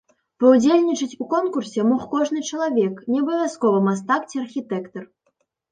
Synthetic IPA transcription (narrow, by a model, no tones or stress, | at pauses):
pɐwd͡zʲelʲnʲit͡ʂɨt͡sʲukɔnkursʲɛmɔxkɔʐnɨt͡ʂɐlˠavʲɛknʲɛɐbɐvʲjaskɔvɐmast̪akt͡sʲiɐrxʲit̪ɛkt̪ɐr